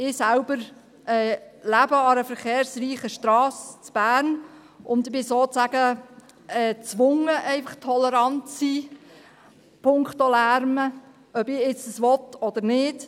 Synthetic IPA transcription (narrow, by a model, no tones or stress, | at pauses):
ɪsælbəɾ | ɛːlæbəɑɾəfəɾχeːɾsriːχəʃtɾɑːst͡sb̥æːɾn | ʔʊnd̪ɪb̥ɪsoːt͡sæɡə | ɛːt͡sʋʊŋəʔɛɪfɑχtʰɔləɾɑntt͡si | pʰʊŋkχtolæɾmə | œbɪɪt͡səsʋɔt̪ɔd̥̪əɾnɪːd